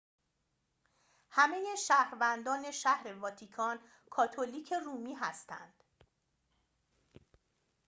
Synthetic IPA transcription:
hæmejeʃæːhɾvænd̪ɒːne̞ʃæhɾe̞vɒːt̪ʰikʰɒːn | kʰɒːt̪ʰoliːcʰe̞ruːmiːɦæst̪æ̰nd̪̥

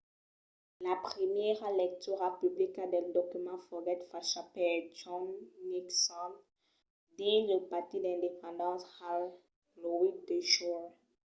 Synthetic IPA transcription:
lapχəmjɛʁlɛk̚t̪yʁapyblikad̪ɛld̪ɔkymɑ̃fɔɡɛt̪faʃapɛt͡ʃɔ̃nːiksɔ̃n | d̪ɛ̃ləpaʁt̪id̪ɛ̃d̪epɑ̃d̪ɑ̃sal | lɔwid̪eʃɔ

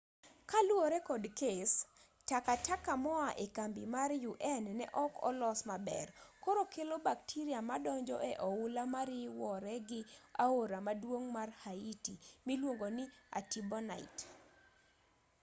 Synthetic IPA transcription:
kalwoɾɛkɔdkes | takatakamɔaʔekambimarjuʔɛnnɛ̰ʔɔkʰɔ̰lɔsmabɛ̰rkoɾokelobak̚tʰiɾiamadɔɲd͡ʒɔʔɛʔɔulamaɾɪwɔɾɛɡɪa̰oɾamadwoŋmarhaitimilwoŋɡonɪa̰tibɔna̰ɪ̰t

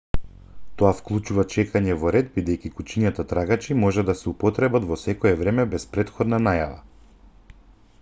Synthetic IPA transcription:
t̪ɔafklˠut͡ʃuvat͡ʃɛkaɲɛvɔɾɛd̪̚bid̪ɛjkikut͡ʃiɲat̪at̪ɾaɡat͡ʃimɔʒɛd̪asɛupɔt̪ɾɛbat̪vɔsɛkɔɛvɾɛmɛbɛspɾɛt̪xɔd̪nanajava̰

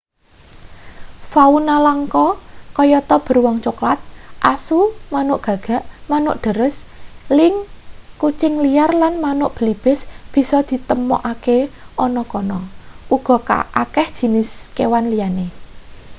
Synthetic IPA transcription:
faunalaŋkɔkɔjɔt̪ɔb̥ə̤rwɔŋt͡ʃoklat̪̚ʔasumanʊʔɡ̥a̤ɡ̥a̤ʔmanʊ̰ʔɖ̥ə̤ɾəslɪŋkut͡ʃɪŋliarlanmanʊʔb̥ə̤lib̥ɛ̤sb̥i̤sɔd̪̥i̤t̪əmɔ̰ʔakeʔɔnɔkɔnɔʔuɡ̥ɔ̤ka̰akɛhd̥ʒ̥i̤nɪskewanlijane

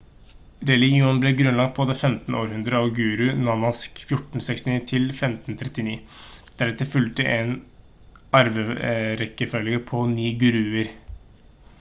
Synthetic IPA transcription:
ɾɛlɪɡɪuːnblɛɡɾʉnlɑɡ̚t̪̚pʰɔd̪ɛfɛmt̪n̩oːɾhʉnd̪ɾəɑʋɡʉːɾʉnɑnɑskfjʊʈːɳ̩sɛkst̪ɪniːt̪ʰɪlfɛmt̪nt̪ʰɾɛt̪ːɪniːd̪̥æɾɛt̪ːəfʉlt̪əʔɛn | ɑɾʋəɾɛkːəfœlːəɡəɾpʰɔniːɡʉɾʉːəɾ

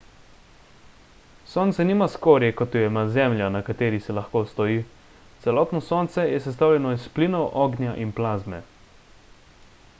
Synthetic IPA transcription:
soːnt̪sɛniːmaskoːɾjɛkɔt̪jɔjɛmazɛmlʲjanakat̪eːɾisɛlaxkoːst̪ɔiː | t̪sɛlɔːt̪nɔsoːnt̪sɛjɛsɛst̪aːwlʲɛnɔispliːnɔwʔɔːɡnʲjaʔinplaːzmɛ

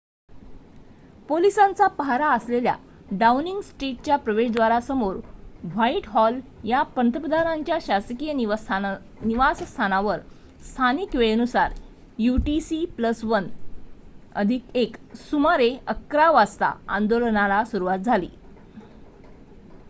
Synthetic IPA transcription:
polisãnt͡sapaɦaɾaəslelja̰ | ɖaniŋɡsʈeʈ̚t͡ɕjapɾəʋeɕd̪ʋaɾasəmoɾʋaiʈɦɔljapənt̪əpəd̪aɾaɲt͡ɕjaɕaskijəi | niʋasst̪ʰanaʋəɾ | st̪ʰanikʋeɭənusaɾ | juʈisipləsʋən | ə̰d̪ʱikeksumaɾeəkːɾaʋast̪a̰and̪olnalasuɾuʋat̪̚d͡zʱalḭː

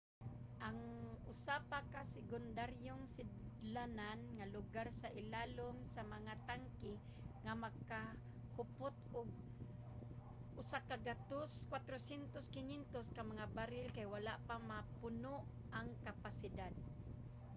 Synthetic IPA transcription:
ʔaŋʊsapakasɪɡʊnd̪aɾjʊŋsɪd̪lananŋalʊɡaɾsaʔɪlalʊmsamaŋat̪aŋkɪ | ŋamaka | hʊpʊt̪ʊɡ̚ | ʔʊsakaɡat̪oskwat̪ɾosjɛnt̪oskɪnint̪oskamaŋabaɾɪlkajwalaʔpamapʊnʊʔ | aŋkapasɪd̪ad̪̚

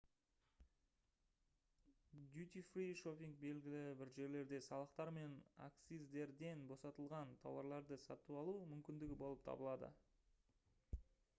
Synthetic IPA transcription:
d̪jut̪ifrijʃo̞pʲiŋk̚be̞lɡʲɪlɪbɪɾʒe̞ɾle̞ɾd̪e̞sɑlˠəqt̪ɑɾme̞na̰kt̪sizd̪e̞ɾd̪e̞nbo̞sɑt̪əlˠʁɑnt̪ʰɑ̰wɑ̰ɾlˠɑɾd̪əsɑ̰t̪uɑlˠumʏmkʲɪnd̪ɪɡʲɪbo̞lˠəp̚t̪ʰɑ̰bəlˠɑd̪ə̰

